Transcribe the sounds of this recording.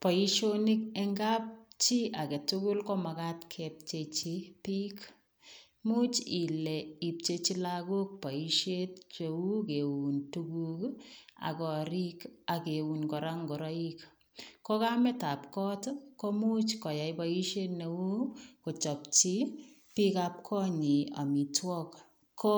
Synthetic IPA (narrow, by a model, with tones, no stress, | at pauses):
pɔ˨iʃonikɛŋɡap̚t͡ʃi˦a˨ke˨tʊkʊ˦lkɔ˦makatkʰɛp̚t͡ʃet͡ʃipik | mu˦t͡ʃi˨lɛ˨i˨p̚t͡ʃe˧t͡ʃi˦laku˦k̚pa˨iʃet̚t͡ʃewu˦ke˨wuntukuka̰˨kɔ˨ɾi˦ka˨ke˨wu˨nkɔ˨ɾaŋɡɔ˨ɾɔ˦ik | kɔ˦ka˦mɛ˦ta˨pkɔ˦tkɔ˦mu˦t͡ʃkɔ˨ja˨jpa˦i˦ʃe˦tne˨wu˦ko˨t͡ʃɔ˨pt͡ʃi˦ | pi˦ka˦p̚kʰɔ˦ɲi˨a̰˨mi˨twɔ˦k | kɔ